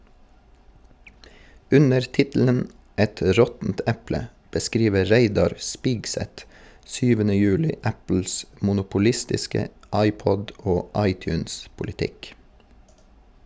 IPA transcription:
ˈʉnəɹ ˈtɪtl̩ən ˈɛt ˈɾɔtn̩t ˈɛplə bəˈskɾiːʋə ˈɹeɪdɑɾ ˈspɪɡsɛt ˈsyːʋənə ˈjʉːlɪ ˈæpl̩s mʊnʊpʊˈlɪstɪskə ˈɑɪˌpɔd ˈoː ˈɑɪˌtjʉːnspʊlɪˌtɪk

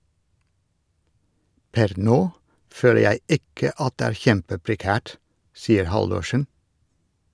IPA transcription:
ˈpɛɾ ˈnoː ˈføːlə ˈjæɪ ˈɪkə ˈɑt ˈdeː ˈæːɾ ˈçɛmpəpɾɛˌkæːʈ ˈsiːəɾ ˈhɑldʊʃən

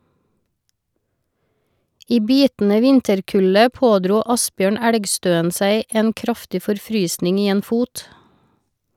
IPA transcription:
ˈiː ˈbiːtn̩ə ˈʋɪntəɾˌkʉlə ˈpoːˌdɾuː ˈɑsˌbjøːɳ ˈæɽɡˌstøːən ˈsæɪ ˈeːn ˈkɾɑftɪ fɔɾˈfɾyːsnɪŋ ˈiː ˈeːn ˈfuːt

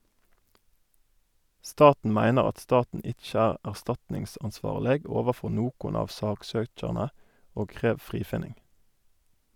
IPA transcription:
ˈstɑːtn̩ ˈmæɪnəʁ ˈɑt ˈstɑːtn̩ ˈɪc͡çə ˈæːʁ æʁˈstɑtnɪŋsɑnˌsʋɑːʁləɡ ˈoːʋəˌfɔ ˈnoːkʊn ˈɑːʋ ˈsɑːkˌsøːc͡çɑʁnə ˈoːɡ ˈkʁeːʋ ˈfʁiːfɪnɪŋɡ

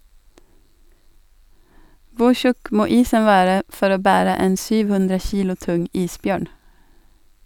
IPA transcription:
ˈʋʊ ˈçʉk ˈmoː ˈiːsən ˈʋæːɾə ˈfɔɾ ˈoː ˈbæːɾə ˈeːn ˈsyːʋ ˈhʉndɾə ˈçiːlʊ ˈtʊŋ ˈiːsˌbjøːɳ

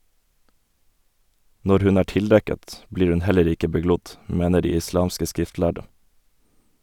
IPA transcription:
ˈnɔɾ ˈhʉn ˈæː ˈʈɪlˌdɛkət ˈbliːɾ ˈʉn ˈhɛləɾ ˈɪkə bəˈɡlʊd ˈmeːnə ˈɖiː ɪˈslɑːmskə ˈskɾɪftˌlæɖə

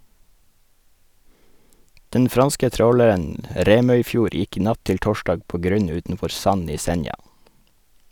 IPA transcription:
ˈdɛn ˈfɾɑnskə ˈtɾoːləɾən ə ˈɾeːmœʏˌfjuːɾ ˈjɪk ˈnɑt ˈtɪl ˈtoːˌʃdɑːɡ ˈpoː ˈɡɾʉɲ ˈʉːtn̩ˌfɔɾ ˈsɑn ˈiː ˈsɛnjɑ

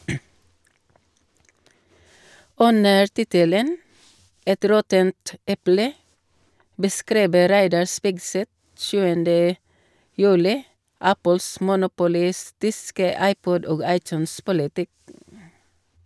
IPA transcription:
ˈʉnəɾ ˈtɪtələn ˈɛt ˈɾɔtənt ˈɛplə bəˈskɾiːbə ˈɾæɪdɑɹ ˈspɪɡˌsɛt ˈʃʉːəndə ˈjʉːlɪ ˈæpəls mʊnʊpʊˈlɪstɪskə ˈɑɪˌpɔd ˈoːɡ ˈɑɪˌtʉːnˌspʊlɪtɪk

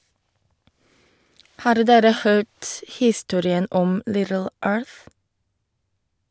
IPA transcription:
ˈhɑːɾ ˈdeːɾə ˈhøːt ˈhiːˌstuːɾɪən ˈɔm ˈlɪdəl ˈøːɹθ

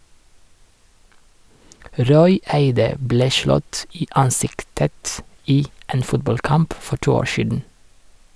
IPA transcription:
ˈɾɔʏ ˈæɪdə ˈbleː ˈʃlɔt ˈiː ˈɑnˌsɪktət ˈiː ˈeːn ˈfʊtbɑlˌkɑmp ˈfɔ ˈʈuː ˈoːɹ ˈʃiːdn̩

